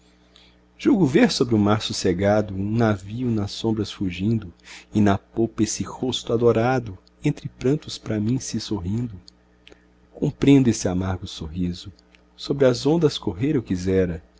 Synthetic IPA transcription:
ʒ̥uwɡʊveɾsobɾɪʊmaɾsuseɡad̪ʊũnaviʊnɐsõmbɾɐsfuʒĩnd̪ʊinapowpɐesɪhost̪ʊad̪oɾad̪ʊ | ẽnt̪ɾɪpɾɐ̃nt̪ʊspɾɐmĩsɪsoɦĩnd̪ʊ | kõpɾẽnd̪ʊesɪamaɾɡʊsoɦizʊ | sobɾɪɐzõnd̪ɐskoɦeɾewkizɛɾɐ

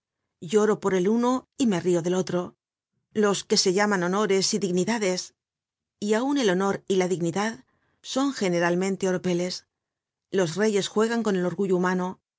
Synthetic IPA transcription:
ɟ͡ʝo̞ɾo̞po̞ɾe̞luno̞ime̞rioðe̞lo̞t̪ɾo̞ | lo̞ske̞se̞ʝamano̞no̞ɾe̞siðiɣniðaðe̞s | iaune̞lo̞no̞ɾilaðiɣniðað | so̞ŋxe̞ne̞ɾalmẽ̞nt̪e̞o̞ɾope̞le̞s | lo̞sre̞ʝe̞sxwe̞ɣ̞aŋko̞ne̞lo̞ɾɣuʝoumano

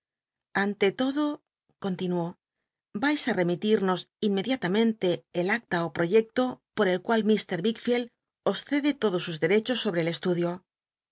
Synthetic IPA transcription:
ant̪e̞t̪o̞ðo̞ | ko̞nt̪inuo̞ | bajsare̞mit̪iɾno̞sinme̞ðjat̪amẽ̞nt̪e̞ːlak̚t̪aopɾo̞ʝe̞k̚t̪o̞po̞ɾe̞lkwalmist̪e̞ɾβikfjel | o̞sθe̞ðe̞t̪o̞ðo̞suzðe̞ɾe̞t͡ʃo̞sːo̞βɾe̞le̞st̪uðjo̞

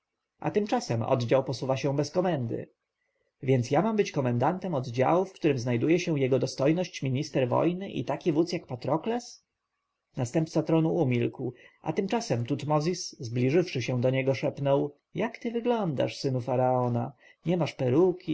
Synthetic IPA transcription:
ʔa̰t̪ɘmt͡ʂasɛmɔ̰d̪d͡ʑawpɔsuvaɕɛ̃bɛskɔmɛnd̪ɘ̰ | vʲjɛnt̪sjamambɘt͡ɕkɔmɛnd̪ant̪ɛmɔd̪d͡ʑa̰wufkt̪uɾɘmznajd̪ujɛɕɛ̃jɛɡɔd̪ɔst̪ɔjnɔɕt͡ɕmʲiɲist̪ɛɾvɔ̰jnɘʔḭt̪akʲivut̪sjakpat̪ɾɔklɛs | nast̪ɛmpt̪sat̪ɾɔnuumʲilkwʔa̰t̪ɘmt͡ʂasɛmt̪ut̪mɔzʲiszblʲiʐɘfʂɘɕɛ̃d̪ɔɲɛɡɔʂɛpnɔw | jakt̪ɘvɘɡlɔnd̪a̰ʂsɘnufaɾaɔna | ɲɛmaʂpɛɾukʲi

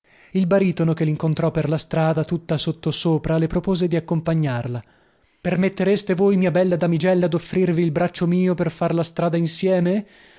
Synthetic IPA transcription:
ilbaɾiːt̪onokelːiŋkont̪ɾɔperlast̪ɾaːd̪at̪ut̪ːasot̪ːosoːpɾalepɾopoːzed̪iakːompaɲːarla | permet̪ːeɾest̪evoːjmiabɛlːad̪amid͡ʒɛlːad̪ofːɾirviːlbɾat͡ʃːomiːoperfarlast̪ɾaːd̪ainsjɛːme

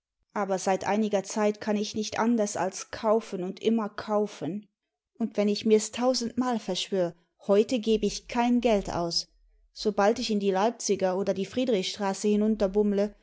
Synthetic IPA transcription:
ʔaːbɐzaɪtʔa̰ɪnɪɡɐt͡saɪtkʰanɪçnɪçtʔa̰ndɐsa̰lskʰaʊfənʊntʔɪmɐkʰaʊfən | ʔʊntv̥ɛnɪçmiːɐɛstʰaʊzn̩tmaːlfɛɐʃv̥øːʁə | hɔʏtəɡeːbəɪçkʰaɪnɡɛlta̰ʊs | z̥obaltɪçɪndiːlaɪp̚t͡sɪɡɐoːdɐdiːfʁ̥iːdʁɪçʃtʁ̥aːsəhɪnʊntɐbʊmlə

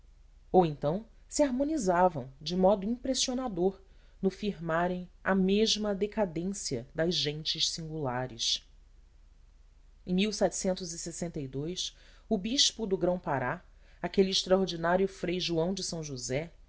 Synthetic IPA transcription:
owẽnt̪ɐ̃w̃ | siaɾmõnizavɐ̃w̃d͡ʒɪmɔd̪ʊĩpɾesionad̪oɾ | nʊfiɾmaɾẽj̃ɐmeʒmɐd̪ekad̪ẽsiɐd̪ɐzʒẽnt͡ʃɪʃsĩŋɡulaɾɪ̰ʃ | ẽj̃miwsɛt͡ʃɪ̥sẽnt̪ʊzisesẽnt̪ɐid̪ojs | ʊbiʃpʊd̪ʊɡɾɐ̃w̃paɾa | akeliːʃt̪ɾɐoɾd͡ʒinaɾjʊfɾejʒuɐ̃w̃d͡ʒɪsɐ̃w̃ʒuzɛ

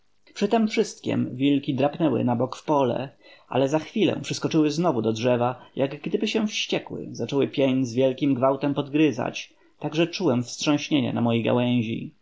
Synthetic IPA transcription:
pʂɘt̪ɛmfʂɘst̪kʲɛ̰mvʲilkʲid̪ɾapnɛwɘ̰nabɔkfpɔlɛ̰ʔa̰lɛzaxfʲilɛ̰̃pʂɨskɔt͡ʂɘwɘznɔvud̪ɔdʐɛvajʔaɡɡd̪ɘbɘɕɛ̃fɕt͡ɕɛkwɘ̰zat͡ʂɔwɘpʲjeɲzvʲjɛlkʲimɡvawt̪ɛmpɔd̪ɡɾɘza̰t͡ɕ | t̪aɡʐɛt͡ʂuwɛmfstʂɔ̃w̃ɕɲeɲɛ̰namɔjejɡa̰wɛ̃w̃ʑḭ

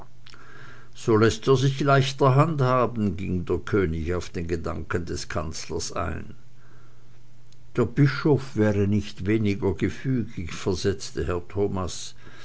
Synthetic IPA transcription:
z̥oːlɛsteːɐzɪçlaɪçtɐɦanthaːbn̩ɡɪŋdeːɐkʰøːnɪçaʊfd̥eːnɡədaŋkəndɛskʰant͡slɐ̰sʔa̰ɪn | d̥eːɐbɪʃofv̥ɛːʁənɪçtv̥eːnɪɡɐɡ̥əfyːɡɪçfɛɐzɛt͡stəhɛɐtʰoːmas

